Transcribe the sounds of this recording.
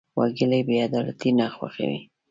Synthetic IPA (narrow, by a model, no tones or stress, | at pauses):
wa̰ɡɪlajbead̪ɑlat̪inaxwa̰xa̰wḭ